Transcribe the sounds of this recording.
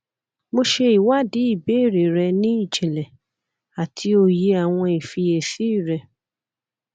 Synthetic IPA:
mo˧ʃe˧i˨wa˦di˨˦i˦˨be˨˦˨ɾe˨ɾɛ˧nĩ˦i˦˨d͡ʒɛ˨lɛ˨ | a˨tʰi˧o˧je˧˦a˨w̃ɔ̃˧i˨fi˧e˨fi˦i˦˨ɾɛ˧

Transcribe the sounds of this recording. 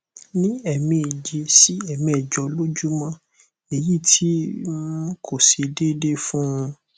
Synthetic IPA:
nĩ˦ɛ˨mĩ˨d͡ʒe˧si˦ɛ˦˨mĩ˨ɛ˨d͡ʒɔ˨˧lo˦d͡ʒu˦mã˦ | e˨ji˦˨tʰi˦ | kʰo˨se˧de˦de˦fũ˦ũ˧

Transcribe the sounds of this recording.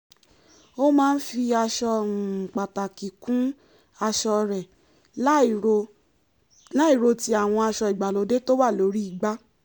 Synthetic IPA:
o˦mãː˦n̩˦fi˧a˧ʃɔ˧˨k͡pa˨ta˨ki˨kũ˦ | a˧ʃɔ˧ɾɛ˨˦˨ | o˧ | la˦i˨ɾo˧ti˦a˦˨w̃ɔ̃˧a˧ʃɔ˧i˨ɡ͡ba˨lo˨˦de˦to˦wa˦˨lo˨˦ɾi˦i˦˨ɡ͡ba˦

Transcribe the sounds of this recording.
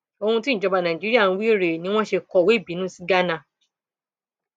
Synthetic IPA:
o˧hũ˧ti˦ñ̩˨d͡ʒɔ˧ba˧nã˨d͡ʒi˨˦i˦a˦˨nũ˧wi˦˨ɾe˨nĩ˧˦w̃ɔ̃˦ʃe˧kɔ˨we˦˨bi˨˦nũ˦si˦ɡa˦nã˦˨

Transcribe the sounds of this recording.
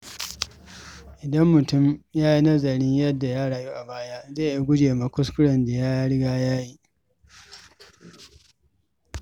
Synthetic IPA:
ʔɪ˨dɐ˦mːʊ˨tʊ˦mjaː˦ji˦nɐ˦zɐ˨ɽɪ˦ɲjɐ˦dːa˨jaː˦ɽaː˨juː˦ʔa˨baː˦ja˦zeː˦˨i˦ɡʷʊ˦d͡ʒeː˨ma˦kʷʊ˦s̬kʊ˦ɽɐ˨nda˨jaː˦ja˦ɽɪ˦ɡaː˦jaː˦ji˦

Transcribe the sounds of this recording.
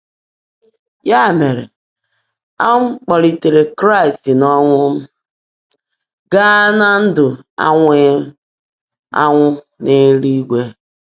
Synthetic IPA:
ja˦˨me˨ɾḛ˨ | a˦ŋ̩ʷ˦k͡pɔ˨ɾi˨te˨ɾe˨kɾa˦ɪ˨stɪ˨nɔ˦ŋʷʊ˦m̩˦ | ɡa˦na˦n̩˦dʊ˨a̰˦ŋʷe˦ | a̰˦ŋʷʊ˦ | ne˦ɾi˦i˦ɡʷe˦

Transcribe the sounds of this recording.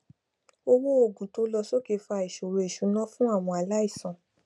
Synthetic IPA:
o˧wo˦o˦˨ɡũ˨to˨˦lɔ˧so˦ke˧˦fa˧˨i˨ʃo˨ɾo˧˨e˨ʃu˨˦nɔ̃˦fũ˦a˦˨w̃ɔ̃˧a˨la˦i˦˨sã˨

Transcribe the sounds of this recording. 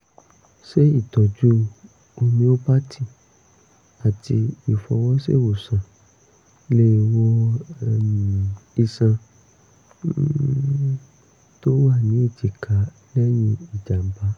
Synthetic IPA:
ʃe˦i˦˨tɔ˨d͡ʒu˦ | o˧nĩ˧˦o˦pa˦tʰi˦˨ | a˨ti˧i˨fɔ˧wɔ˦sḛ˦˨wo˨sã˨ | le˦˧wɔ˧˦˨ | i˧sã˧ | to˦wa˦˨nĩ˨˦e˦˨t͡ʃi˨kʰa˨˦ | lɛ˦j̃ĩ˧i˨d͡ʒa˨m̩˦ba˦

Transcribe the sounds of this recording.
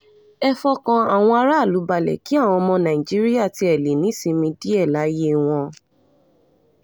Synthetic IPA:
ɛ˦fɔ˧kã˧a˨w̃ɔ̃˧a˧ɾa˦˨lu˨˦ba˧lɛ̰˨ki˦a˦˨w̃ɔ̃˧mɔ̃˧nã˨i˨d͡ʒi˦ɾi˦ja˦˨ti˧ɛ˨le˨nĩ˨˦si˧mĩ˧di˦ɛ˦˨la˨˦je˦w̃ɔ̃˧

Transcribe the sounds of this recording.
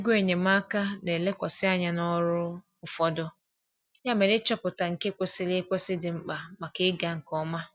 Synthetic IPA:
ɡʷe˨ɲe˨m̩a˦ka˦ne˨le˦kʷa˨sɪ˦a˦ɲa˦nɔ˦ɾʊ˦ | ʊ˦fɔ˦dʊ˦ | ja˦me˨ɾɪ˦t͡ʃɔ˦pʊ˨ta˨ŋ̩˨ke˦kʷe˦sɪ˦le˦kʷe˦sɪ˦dɪ˨ŋ͡m̩˦k͡pa˨ma˨kɪ˦ɡa˨ŋ̩˨kɔ˦ma˦

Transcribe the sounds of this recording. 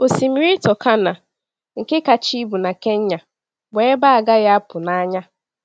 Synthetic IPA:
o˨si˨mi˨ɾi˦tɔ˨kʰa˦na˨ | ŋ̩˨ke˦ka˨t͡ʃi˦bu˨na˨ke˦ɲ̩˦ɲa˨ | be˨e˦ba˦a˨ɡa˦ɣa˦a˦pʊ˨na˦ɲa˦

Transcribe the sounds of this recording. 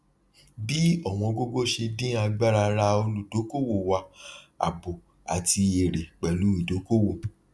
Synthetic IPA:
bi˦ɔ˨w̃ɔ̃˧ɡo˦ɡo˦ʃe˧dĩ˦a˧ɡ͡ba˦ɾa˧ɾa˧o˧lu˨do˨˦ko˦wo˦˨wa˧a̰˨bo˨ | a̰˨tʰi˧e˨ɾe˨k͡pɛ˨lu˨˦i˦˨do˨˦ko˦wo˦˨

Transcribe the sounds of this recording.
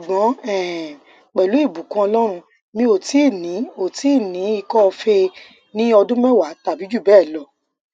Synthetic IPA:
su˨ɡ͡bɔ̃˨˦ɛ˦˨ | k͡pɛ˨lu˨˦i˦˨bu˨kã˧ɔ˧lɔ˦ɾ̃ũ˧ | mĩ˧o˨ti˨˦˨nĩ˨˦o˨ti˨˦˨nĩ˨˦i˧kɔ˦˧fe˧ | nĩ˦ɔ˧dũ˦mɛ̃˦wa˨˦ta˨bi˨˦d͡ʒu˦˨bɛː˦˨lɔ˨

